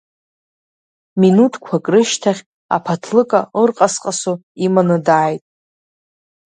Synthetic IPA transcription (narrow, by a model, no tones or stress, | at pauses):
minutʰkʷʰakʼrɨʃtʰaχʲ | a̰pʰatʰlɨkʼaərqʼasqʼasoimanɨdaːjtʼ